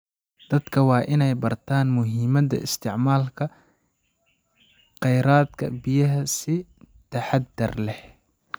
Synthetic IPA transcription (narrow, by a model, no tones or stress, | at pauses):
d̪̥ɐd̪kʰɐwɑːʔɪnɛjbɐrt̪ʰaːnmʊɦiːmɐd̪ɐ̰ʔɪ̰st̪ʰɪʕmaːlkʰɐ | qɛjɾaːd̪kʰɐ̰bɪjɐɦɐsɪ | t̪ʰɐħɑd̪ɐrlɛh